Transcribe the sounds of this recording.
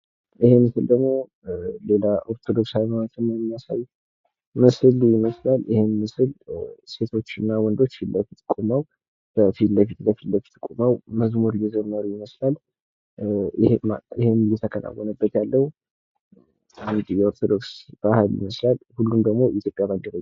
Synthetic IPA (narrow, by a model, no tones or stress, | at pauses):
ihemɨsɨld̪əɡmo̞ | le̞laʔo̞ɾt̪ʰo̞d̪o̞ksawimanat̪ʰɨnːamasa̰j | mɨsɨlujɪməslaljɪhenmɨsɨlse̞t̪ʰo̞t͡ʃːɨnːawɔnd̪o̞t͡ʃːbəfit̪kʼumaw | b̥əfit̪bəfit̪bəfit̪bəfit̪ʰkʼumawməzmoɾjɛd͡ʒəmːəɾujɪməslal | haɪhenjɛt̪ʰəkʰəna̰wːɔnəbːət̪jalːəhu | and̪jɛo̞ɾt̪ʰo̞d̪o̞ksb̥ahaljɪ̰məslalhulːumd̪əɡmo̞ʔit̪ʰjo̞pʼjaməndəɾə